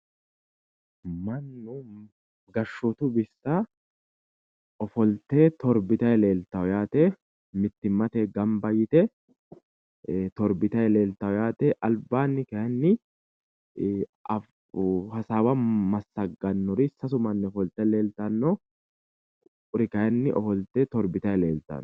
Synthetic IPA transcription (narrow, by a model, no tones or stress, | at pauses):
mɐnːʊ | ɡɐʃːɔt̪ʊbɪsːɐ | ɔfɔlt̪eːt̪ɔɾbɪt̪ɐjɛle̞ːlt̪ːɐwɔjaːt̪ɛ | mɪt̪ːɪmːɐt̪ɛːɡɐmbɐjɪt̪ɛ | t̪ɔɾbɪt̪ɐjɛle̞ːlt̪ɐwɔjaːt̪ɛʔɐlbaːnːɪkɐjɐnːɪ | ɐf | hɐsaːwɐmɐsːɐɡɐnːɔɾɪsɐsʊmɐnːɛɔfɔlt̪ɛleːlt̪ɐnːɔ | ʊɾɪkɐjɐnːɪʔɔfɔlt̪eːt̪ɔɾbɪt̪ɐjɛle̞ːlt̪ɐ̰n